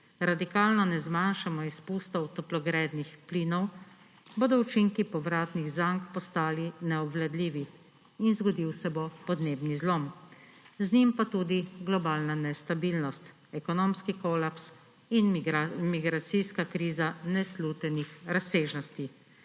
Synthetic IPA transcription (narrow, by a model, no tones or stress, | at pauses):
ɾad̪ikaːlnɔnɛzmanʃamɔispuːst̪ɔwt̪ɔplɔɡɾɛːd̪nixpliːnɔw | boːd̪ɔut͡ʃiŋkipɔʋɾaːt̪niɣzaŋkpɔst̪aːlinɛɔbʋlɛd̪liːʋi | inzɡɔd̪iwsɛbopɔd̪neːbnizloːm | zɲimpat̪uːd̪iɡlɔbaːlnanɛst̪abiːlnɔst̪ | ɛkɔnoːmskikolaps | inmiɡɾat̪sijskakɾiːzanɛsluːt̪ɛnixɾaseːʒnɔst̪i